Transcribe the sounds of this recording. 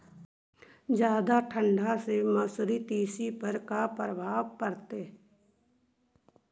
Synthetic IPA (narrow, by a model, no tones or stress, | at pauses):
d͡ʒjaːd̪aʈʰə̃ɳɖʱaseməsɾit̪iːsipəɾkapɾəbʱaːʋkəɾt̪eː